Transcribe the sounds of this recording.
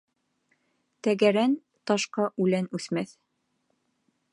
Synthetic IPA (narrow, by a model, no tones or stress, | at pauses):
t̪æɡæɾæn | t̪ɒʃqɑʔʉlænʉθmæθ